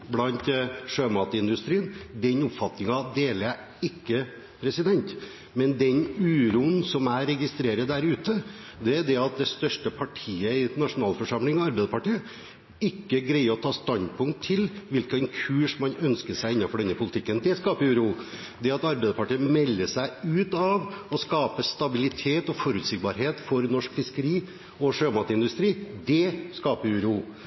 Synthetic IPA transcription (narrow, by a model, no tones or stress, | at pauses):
blɑnt̪ʂøːmɑːt̪əɪnd̪ʉst̪ɾiːənd̪ɛnʊpfɑt̪nɪŋɑd̪eːləɾæ | ɪkːə | pʰɾɛsɪd̪ɛnt̪ | mɛnd̪ɛnʉːɾuːənsɔmæɪɾɛɡɪst̪ɾeːɾəd̪æɾʉːt̪ə | d̪ɛæd̪ɛɑt̪̚d̪ɛst̪œʂʈəpʰɑʈʰiːəɪnɑʂʊnɑːlfɔʂɑmlɪŋɔɑɾbɛɪd̪əpɑʈiːə | ɪkːəɡɾɛɪəɾɔt̪ʰɑːst̪ɑnd̪̚pʰʊŋt̪ʰːɪlʋɪlkənkʰʉːʂmɑnœnskəʂæɪɪnːɑfɔɖɛnːəpʰʊlɪt̪ʰɪkːənd̪ɛskɑːpəɾʉɾuː | d̪ɛɑt̪ɑɾbeɪd̪əpʰɑʈiːəmɛlːəʂæɪʉːt̪ɑʋɔskɑːpəst̪ɑbɪlɪt̪ʰeːt̪ɔfɔɾʉt̪sɪɡ̚bɑːɾɦeːt̪fɔɾnɔʂkfɪskəɾiː | ɔʂøːmɑt̪əɪnd̪ʉst̪ɾiːd̪ɛskɑːpəɾʉɾuː